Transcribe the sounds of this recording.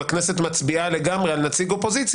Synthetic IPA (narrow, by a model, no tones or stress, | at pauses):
aknese̞t̪mat͡sbiale̞ɡamʁealnat͡siɡo̞po̞zit͡s